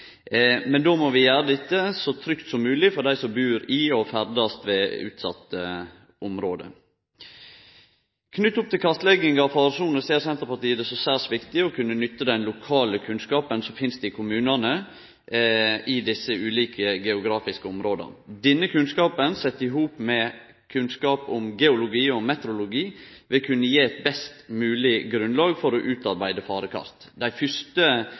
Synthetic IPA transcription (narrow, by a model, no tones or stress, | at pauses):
mɛnd̪oːmɔʋɪjæːɾəd̪ɪt̪ːəsɔt̪ʰɾʏkt̪sɔmːʉːlɪfɔɾd̪æɪsɔmbʉːɾɪɔfæɾd̪ɑst̪ʋeːʉ̰ːt̪sɑ̰t̪ːə | ʔʊmɾoːd̪ə̰ | kʰnʏt̪ːʊp̚t̪ʰɪlkʰɑst̪lɛɡɪŋɑfɑːɾsuːnəseːɾsɛnt̪əɾpɑt̪iːəd̪ɛsɔsæːsʋɪkt̪ɪɔkʰʉnːənʏt̪ːəd̪ɛnlʊkʰɑːləkʰʉnskɑːpənsɔmfɪnst̪ɪkʰʊmʉːnɑnə | ʔɪd̪ɪsːəʉːliːkʰəɡɛʊɡɾɑːfɪskəʊmɾoːd̪ə̰nd̪ɛnːəkʰʉnskɑːpənsɛt̪ːɪɦuːpmɛ | kʰʉnskɑːpʊmɡɛʊlʊɡiːɔmɛt̪əɾʊlʊɡiːʋɪkʰʉnːəjeːɛt̪̚bɛst̪mʉːlɪɡɾʉnlɑːɡfɔɾɔʔʉːt̪ɑɾbæɪd̪əfɑːɾəkʰɑ̰st̪ | d̪æɪfʏʂt̪ə